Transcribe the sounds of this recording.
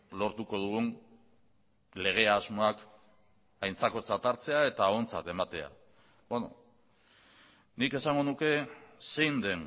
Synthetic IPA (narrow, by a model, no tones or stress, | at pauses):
lo̞ɾt̪uko̞ð̞uɣ̞un | le̞ɣ̞e̞azmo̞ak | ajnt͡sako̞t͡sat̪aɾt͡se̞ae̞t̪ao̞nt͡sa̰t̪e̞mat̪e̞a̰ | bono̰ | nike̞saŋɡo̞nuke̞se̞jnd̪e̞n